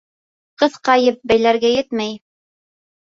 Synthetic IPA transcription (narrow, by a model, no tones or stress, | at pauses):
qɤθqɑjɤp̚bæjlæɾɡæjɘt̪mæj